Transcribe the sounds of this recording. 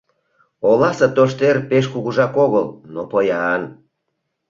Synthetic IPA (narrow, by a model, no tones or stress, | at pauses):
olɑsɤt̪oʃt̪erpeʃkuɣuʒɑkoɣəlnopojɑn